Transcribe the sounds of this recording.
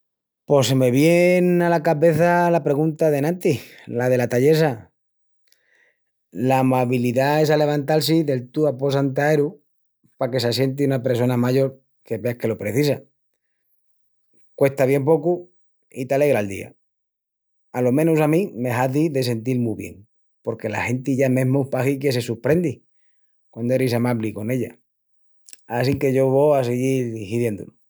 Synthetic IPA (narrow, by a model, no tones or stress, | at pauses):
po̞seme̞βje̞nalakaβe̞θalapɾe̞ɣunt̪aðe̞nãnt̪ilað̞e̞lat̪aʎe̞s̬a | lamaβiliðae̞sale̞β̞ant̪als̬iðe̞lt̪uapo̞sant̪̬aeɾu | pake̞sasje̞nt̪̬iunape̞ɾso̞namaʝo̞ɾ | ke̞βe̞ahke̞lo̞pɾe̞θisa | kwe̞st̪aβje̞mp̬o̞ku | it̪ale̞ɣ̞ɾald̪ḭa̰ | alo̞mẽnusamĩme̞ɦaðiðe̞se̞nt̪ilmuβje̞̰ŋ | po̞ɾke̞la̰he̞nt̪iʝame̞ɦmupaxike̞se̞suɾpɾend̪i | kwand̪oeɾisamaβliko̞ne̞ʎa̰ | as̬iŋke̞ʝo̞βoaseɣiɾhiðje̞nd̪ṵlu